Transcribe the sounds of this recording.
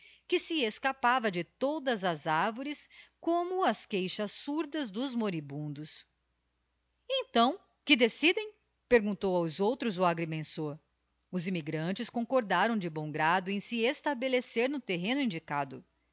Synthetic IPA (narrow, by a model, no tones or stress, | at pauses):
kɪsɪeskapavɐd͡ʒɪt̪od̪ɐzɐzaɾvoɾɪskõmʊɐskejʃɐsuɾd̪ɐzd̪ʊzmoɾibũnd̪ʊs | ẽt̪ɐ̃w̃ | kɪd̪esid̪ẽj̃ | peɾɡũnt̪owawzowt̪ɾʊzʊaɡɾimẽsoɾ | ʊzimiɡɾɐ̃t͡ʃɪskõkoɾd̪aɾɐ̃w̃d͡ʒɪbõw̃ɡɾad̪ʊẽj̃sɪest̪abeleseɾnʊt̪eɦẽnʊĩnd͡ʒikad̪ʊ